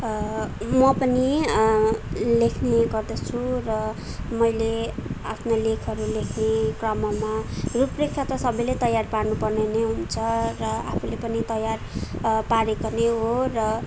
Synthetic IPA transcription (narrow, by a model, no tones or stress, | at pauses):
mʌpʌni | lekʰneɡʌrd̪ʌt͡sʰurʌ | mʌjleapʰnolekʰʌɾulekʰnekrʌmʌmaruprekʰːat̪ʌsʌbʌjlet̪ʌjarparnupʌrneneɦunt͡sʰʌrʌapʰulepʌnit̪ʌjarpaɾekoneɦorʌ